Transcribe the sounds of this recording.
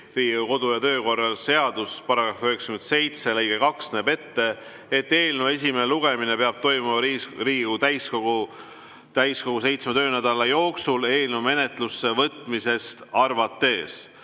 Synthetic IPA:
riːɡuko̞d̪̥ujɑt̪ø̞ːko̞rːɑlse̞ɑd̪̥uspɑɾɑɡ̥ɾɑføekskyme̞nd̪se̞jt̪se̞lejɡ̥ekɑksneːbe̞t̪ːe̞ | et̪ːe̞ːlneve̞s̬ʲimeeluɡ̥e̞minepeɑb̥̚t̪o̞jmumɑriːɡut̪æjskoɡ̥u | t̪æjsko̞ɡ̥us̬e̞jt̪smet̪ø̞ːnæd̪ɑlɑjo̞ːksule̞ːlnevme̞ne̞t̪lusːe̞vɤt̪ˑmise̞st̪ɑrvɑt̪ːe̞ːs

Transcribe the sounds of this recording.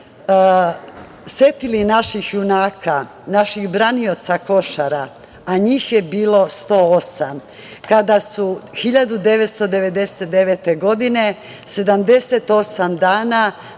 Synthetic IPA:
sjet̪ilinaʃixjunaːkʰa | naʃixbɾaniot̪sako̞ʃaɾa | aɲiːxje̞biːlo̞st̪o̞ːosam | kad̪asuxiʎad̪ud̪e̞ʋet̪st̪o̞d̪e̞ʋe̞d̪e̞set̪̚d̪eʋet̪e̞ɡo̞d̪ine̞ | se̞d̪amd̪e̞se̞t̪o̞samd̪aːna

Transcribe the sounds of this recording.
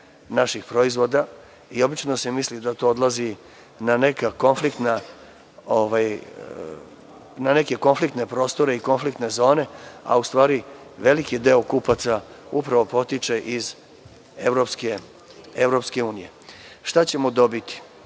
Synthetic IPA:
naʃixpɾo̞izʋo̞d̪a | io̞bit͡ʃnosemislid̪at̪o̞od̪lˠazi | nane̞kako̞nflikt̪na | oʋaj | nane̞ke̞ko̞nflikt̪ne̞pɾo̞ːst̪o̞ɾe̞iko̞nflikt̪ne̞zo̞ːne̞a̰ust̪ʋaːɾiʋe̞likid̪e̞okupat̪saupɾaʋo̞po̞t̪it͡ʃe̞ʔiz | evɾo̞pske | evɾo̞pske̞uːnije̞ʃt̪at͡ɕe̞mod̪o̞bit̪i̥

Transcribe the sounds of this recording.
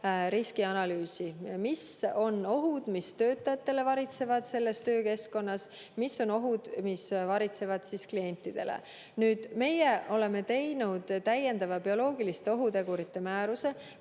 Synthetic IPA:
ɾiskiɑnɑlyːsimiso̞no̞ɦud̪̥mist̪ø̞ːt̪ˑːɑjɑt̪ːe̞le̞vɑɾit̪se̞vɑd̪̥se̞lːe̞st̪ø̞ːke̞sko̞nːɑs | misːo̞no̞ɦud̪̥misvɑɾit̪se̞vɑd̪̥sisklie̞nʲt̪ːˑid̪̥e̞̰lḛ | nyːd̪̥me̞jeʔo̞le̞me̞t̪e̞jnud̪̥t̪ːæje̞nd̪ɑvɑbio̞lo̞ːɡilist̪eo̞ɦut̪e̞ɡ̥uɾit̪ːe̞mæːɾuse̞

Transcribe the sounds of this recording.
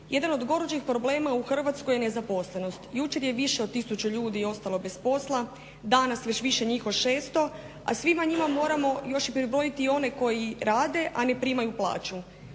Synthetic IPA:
je̞d̪ano̞d̪ɡo̞ɾod͡ʒixpɾo̞ble̞ːmauxr̩ʋat̪sko̞jene̞zapo̞sle̞no̞st̪jut͡ʃe̞ɾje̞ʋiʃeot̪̚t̪ːisut͡ɕuʎuːd̪io̞st̪alo̞be̞spo̞slˠa | d̪anasʋet͡ɕʋiʃe̞ɲiːxoʃeːst̪o̞ | a̰sʋimaɲimamo̞ːɾamo̞jo̞ʃipɾibɾo̞jit̪iːo̞ne̞ko̞jiɾaːd̪e̞ʔane̞pɾiːmajuplˠa̰ːt͡ʃu

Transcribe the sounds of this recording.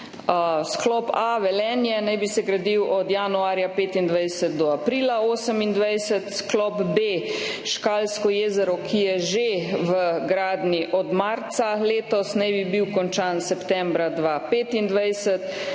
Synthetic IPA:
sklɔpaʋɛlɛːnjɛnajbisɛɡɾad̪iwʔɔd̪januaːɾjapeːt̪ind̪ʋajsət̪̚d̪ɔapɾiːlaoːsəmind̪ʋajsɛt̪sklɔpbe | ʃkaːlskɔjeːzɛɾɔkʰijɛʒeʋəɡɾaːd̪niʔɔd̪maɾt̪saleːt̪ɔsnɛjbibiwkɔnt͡ʃaːnsɛpt̪ɛmbɾad̪ʋapeːt̪ind̪ʋajsət̪

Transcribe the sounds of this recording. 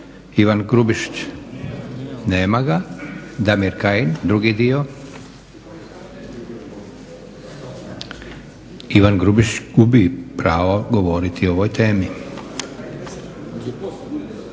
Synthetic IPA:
iʋanɡɾubiʃt͡ɕ | neːmaɡad̪amiɾkaind̪ɾuɡid̪io | iʋanɡɾubiʃt͡ʃɡubipɾaːʋoɡo̞ʋo̞ɾit̪ʰioʋojt̪eːmi

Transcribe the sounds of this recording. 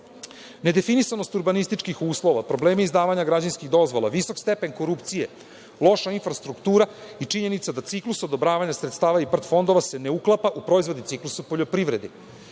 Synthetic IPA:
ne̞d̪e̞finisano̞st̪uɾbanist̪it͡ʂkixuːslˠo̞ʋapɾo̞bleːmiːzd̪aːʋaɲaɡɾad͡ʑanskiɣd̪o̞zʋo̞lˠaʋiso̞kst̪e̞pe̞nko̞ɾupt̪sije̞ | lˠo̞ʃainfɾast̪ɾukt̪uːɾait͡ʂiɲe̞nit̪sad̪at̪siklusod̪o̞bɾaːʋaɲasɾet̪st̪aːʋaipr̩t̪fo̞nd̪o̞ʋase̞ne̞uklˠapaʔupɾo̞izʋo̞d̪it̪siklˠusupo̞ʎo̞pɾivɾe̞d̪i

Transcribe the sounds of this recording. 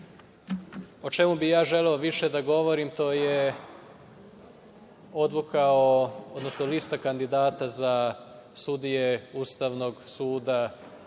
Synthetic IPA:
o̞t͡ʃe̞mubijaːʒe̞leoʋiʃed̪aɡo̞ʋo̞ɾimt̪o̞ːje | o̞d̪lˠukaood̪no̞snolist̪akand̪id̪aːt̪aza | sud̪ijeust̪aʋno̞ɡsuːd̪a

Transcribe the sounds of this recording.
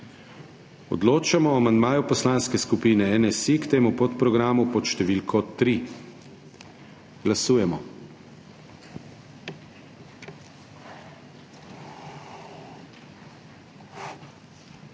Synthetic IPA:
ɔ̰d̪loːt͡ʃamɔamand̪maːjupɔslaːnskɛskupiːnɛɛnɛsikt̪eːmupɔt̪pɾɔɡɾaːmupɔt̪ʃt̪ɛʋilkʰɔt̪ɾi | ɡ̥lasuːjɛmɔ

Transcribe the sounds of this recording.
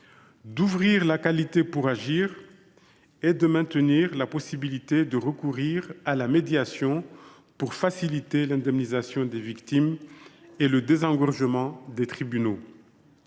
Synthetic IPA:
d̪uvʁiʁlakalit̪epuʁaʒiːʁ | ed̪əmɛ̃t̪əniʁlapɔsibilit̪ed̪əʁəkuʁiʁalamed̪jasjɔ̃ | puʁfasilit̪elɛ̃d̪ɛmnizasjɔ̃d̪evikt̪im | eləd̪ezɑ̃ɡɔʁʒəmɑ̃d̪et̪χibyno

